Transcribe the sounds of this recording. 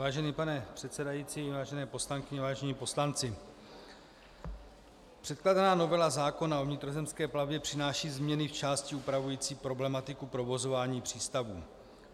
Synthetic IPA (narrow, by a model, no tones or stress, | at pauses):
vaːʒɛniːpanɛpr̝̥ɛt̪sɛdajiːt͡siːvaːʒɛnɛːpo̞slaŋkɪɲɛvaːʒɛɲiːpo̞slant͡sɪ | pr̥ɛt̪̚kladanaːno̞vɛlazaːko̞nao̞vɲɪt̪ɾo̞zɛmskɛːplavbjɛpr̝̥ɪnaːʃiːzmɲɛnɪft͡ʃaːscɪupɾavujiːt͡siːpɾo̞blɛmat̪ɪkupɾo̞vo̞zo̞vaːɲiːpr̝̥iːst̪avṵː